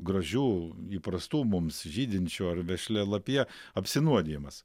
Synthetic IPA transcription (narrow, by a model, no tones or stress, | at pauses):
ɡɾɐʒʲuːiːpɾɐst̪uːmʊmsʒʲiːd̪ʲɪnʲt͡ʃʲuːɐrʋʲɛʃʲlʲɛlˠɐpʲiɛ | ɐpʲsʲɪnuɔd̪ʲeːmɐs